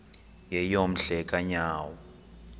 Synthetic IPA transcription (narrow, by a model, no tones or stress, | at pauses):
jɛjom̩ɬɛkʼaɲaːwɔ